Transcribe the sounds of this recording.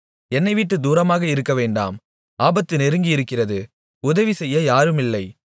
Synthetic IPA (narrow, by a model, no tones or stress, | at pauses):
ɛnːɐɪʋiʈːɯd̪uːɾɐmaːɣɐɪɾɯkːɐʋeːɳɖa̰ːm | aːbɐt̪ːɯnɛɾɯŋɡɪjɪɾɯkːɪrɐðɯ | ʊðɐʋisɛjːɐjaːɾɯmɪlːɐɪ